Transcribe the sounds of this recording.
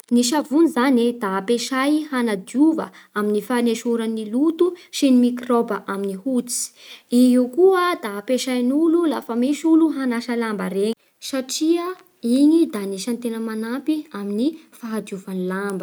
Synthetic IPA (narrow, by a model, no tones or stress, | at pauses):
niʃavunizanid̪apeʃajhanad̪uvə̰ | aminifaneʃuɾanːilut̪uʃinimikrobəʔaminihut͡si̥iɦiwkuəd̪apeʃajnululafəmiʃuluɦanaʃəlambəɾeɲi | saʈ͡ʂiə | iɲid̪aniʃant̪enəmanapiaminifaɦad̪uvanilambə